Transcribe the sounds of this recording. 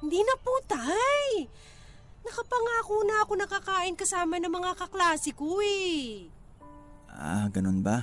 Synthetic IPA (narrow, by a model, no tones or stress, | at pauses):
hɪnd̪inɐput̪aj | nɐkɐpɐŋaːkuːnaʔɐko̞nɐkakaːʔɪnkɐsaːmɐnɐmɐŋakɐklaːsɪkoɛ | ʔa̰ɡɐnonba